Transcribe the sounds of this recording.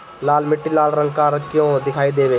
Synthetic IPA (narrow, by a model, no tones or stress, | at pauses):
laːlmɪʈːilaːlɾə̃ŋkãɾəkːijõd̪ɪkʰaːid̪eːʋeː